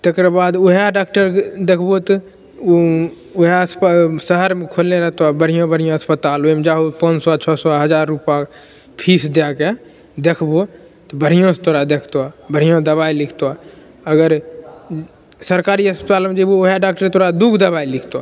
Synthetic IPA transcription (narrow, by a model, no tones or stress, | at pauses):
t̪ekɾəbaːd̪oɦaɖaːk̚ʈəɾd̪ekʰbot̪ | oɦaspsəɦəɾmẽkʰolneɾəɦt̪oabəɽ̤ijõbəɽ̤ijõəspət̪aːloemd͡ʒaːɦopənsɔt͡ʃʰɔsɔɦəd͡ʒaːɾːupã | pʰiːsd̪jake | d̪ekʰbo | t̪ɔbəɽ̤ijõst̪oːɾad̪ekʰt̪oabəɽ̤ijõd̪əβailikʰt̪oa | əɡəɾ | səɾkaːɾiəspət̪aːlmed͡ʒ̪ebooɦjaɖaːk̚ʈəɾt̪oːɾad̪uːɡd̪əbailikʰt̪oa